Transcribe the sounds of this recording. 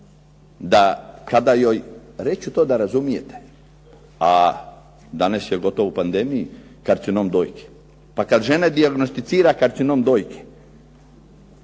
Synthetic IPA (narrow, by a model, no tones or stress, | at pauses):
d̪akad̪ajojɾet͡ɕut̪od̪aɾazumije̞t̪e̥ | a | d̪anasjeɡo̞t̪oʋupand̪emiji | kaɾt̪sinomd̪oːjke̥ | pakad̪ʒened̪iaɡnost̪it̪siːɾakaɾt̪sinomd̪oːjke̥